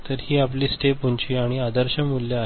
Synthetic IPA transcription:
t̪əɾhiːapliːsʈepuɲt͡ɕiːaɽ̃iad̪əɾɕəmulja

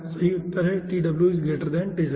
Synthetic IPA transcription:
sɐɦiʊt̪ːəɾɦɛʈiːɖɐbljuɪs̬ɡeːʈəɾd̪ɛ̃ːnʈeːd͡ʒ

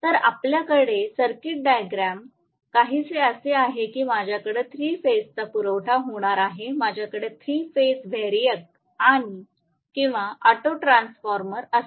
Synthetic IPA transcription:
t̪əɾapljakəɽesəɾkiʈ̚ɖajɡɾam | kaɦiːt͡seəseaɦekiːmad͡ʑʱjakəɽet̪ʰɾiːfest̪apuɾəʋʈʰaɦoɽ̃aɾaɦemad͡ʑʱjakəɽet̪ʰɾiːfesbʱeɾjək̚ | ani | kĩw̃ʋaʔəʈoʈɾãnsfɔɾməɾəs

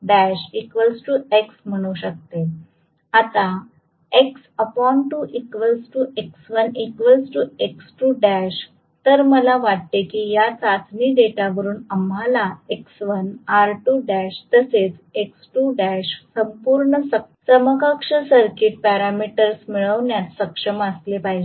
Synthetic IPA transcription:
ɖæɕikʋəlsʈueksm̤əɽ̃uɕək̚t̪e | at̪a | eksəpɔɳʈuʔikʋəlsʈueksʋənikʋəlsʈueksʈuɖæɕ | t̪əɾməlaʋaʈ̚t̪ekijat͡sat̪niːɖeʈaʋəɾuːnəm̤alaeksʋənaɾʈuɖæɕt̪əset͡seksʈuɖæɕsəmpuɾɳəsəsəməkəkʂəsəɾkiʈ̚pæɾamiʈəɾsmiɭəʋɳjat̪səkʂəməslepaɦid͡ʑ

